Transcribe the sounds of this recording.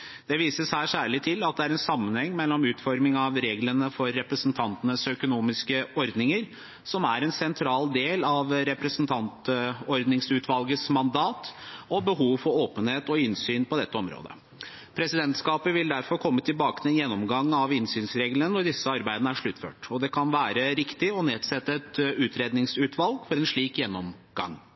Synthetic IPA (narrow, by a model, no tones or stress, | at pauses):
d̪̥ɛʋiːsəsæːʂæːɭɪt̪ʰːɪlɑt̪̚d̪ɛæɾɛnsɑmːənhɛŋːmɛlːɔmʉːt̪fɔɾmɪŋɑʋɾeːɡlənəfɔɾːɛpɾəsnt̪ʰɑnt̪ənəsœkʊnuːmɪskəɔɾd̪nɪŋəɾ | sɔmæɾɛnsɛnt̪ʰɾɑːld̪eːlɑʋɾɛpɾɛsənt̪ʰɑnt̪ɔɾd̪nɪŋsʉːt̪ʰʋɑlɡəsmɑnd̪ɑːt̪ɔbəɦuːʋfɔɾoːpənheːt̪ɔɪnsyːnpʰɔd̪ɛt̪ːəɔmɾo̰ːd̪ə̰ | pʰɾɛsɪd̪ɛnt̪skɑːpəʋɪld̪æɾfɔɾkʰɔmːət̪ʰɪlbɑːkə̥nɛnjɛnːɔmɡɑŋːɑʋɪnsyːnsɾeːɡlənənɔɖɪsːəɑɾbæɪd̪ənəæʂɭʉt̪ːfø̰ːʈɔd̪ɛkʰɑnʋæːɾəɾɪkt̪ɪɔneːd̪sɛt̪ːəɛt̪ʉːt̪ʰɾeːd̪nɪŋsʉːt̪ʰʋɑlɡfɔɾɛnʂɭiːkjɛnːɔmɡ̥ɑ̰ŋː